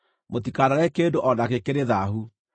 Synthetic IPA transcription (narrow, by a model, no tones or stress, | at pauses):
motikanaɾɛkendoʔɔnakekeɾeðaɦu